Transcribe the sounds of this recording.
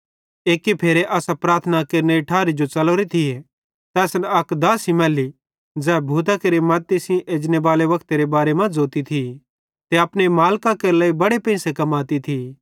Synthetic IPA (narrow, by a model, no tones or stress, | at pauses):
eːkːipʰeːɾeʔɐːsapɾaːɾt̪ʰənakeːɾneʈʰaːɾid͡ʒot͡ʃɐloːɾit̪ʰije | t̪ɛːsnɐkd̪aːsimɛːli | d͡zɛːbʱuːt̪akeɾemɐt̪ːɪsĩʔeːd͡ʒneʋaːleʋɐkt̪eɾebaːɾemãd͡zoːt̪it̪ʰi | t̪eɐpnemaːlkakelɛːibɐɽepɛ̃ɪ̃sekɐmaːt̪it̪ʰi